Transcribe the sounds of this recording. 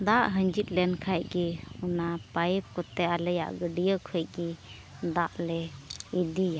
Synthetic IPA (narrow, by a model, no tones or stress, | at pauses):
d̪aʔɦəɲd͡ʒit̪̚ˀlɛnkʰajɡiunapajp̚kɔt̪ɛalɛja̰ʔɡəɖijəkʰəjɡi | d̪aʔlɛid̪ijaʔ